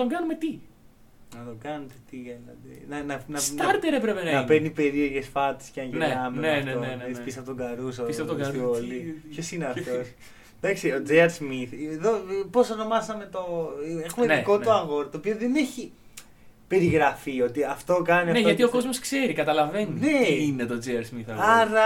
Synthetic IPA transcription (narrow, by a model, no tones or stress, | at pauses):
t̪oŋɡɐnumet̪i | nɐt̪o̞kɐnet̪et̪iɐnɐ̰t̪enɐnɐnɐsɐɾt̪eɾevɾepenɐnɐpenipe̞ɾio̞ʝe̞sfɐt̪e̥sceɐɲʝenenɐmeɐefnoeeipisɐfot̪oŋɡɐɾusɐsioliçosineɐft̪o̞s | d̪ɐksiod͡zeɐɾsmiθeðo̞po̞sɐno̞mɐsɐme̞t̪oexummenko̞t̪oɐŋɣo̞ɾt̪oːpioðene̞çi | pe̞ɾiɣɾɐfio̞t̪iɐft̪o̞kɐniɐneʝɐt̪ioko̞zmoskseɾikɐt̪ɐlɐve̞nineinet̪od͡zeɐɾsmiθɐɐɾɐ